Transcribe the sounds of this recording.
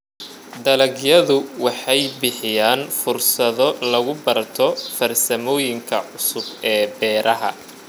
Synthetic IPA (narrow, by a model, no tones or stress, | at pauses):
d̪ɐlɐɡjɐðʊwɑħɑjbɪħɪjaːnfʊrsɐðɔlɐɣʊbɐrt̪ʰɔfɐrsɐmɔːjɪŋkʰɐ̰ʕʊsʊbɛːbɛːɾʔɐɦɐ̰